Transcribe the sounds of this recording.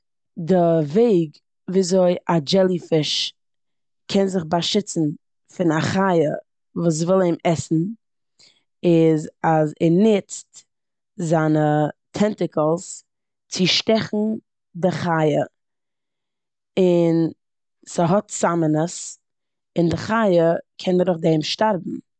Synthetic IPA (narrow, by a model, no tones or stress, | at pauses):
dɪveɪɡ | viːzoɪad͡ʒɛlˠifɪʃ | kʰɛnzɪχbaʃɪt͡sn̩ | fɪnaχaɪə | vuːs̬vɪlˠeɪmɛsn̩ | ɪzazɛnɪt͡st | zaːnətʰɛntɪkəlˠs | t͡sɪʃtɛχn̩ | dɪχajə | ɪn | səɦɔtsamənəs | ɪndɪχajəkʰɛnəɾʊχdɛmʃtaɾbm̩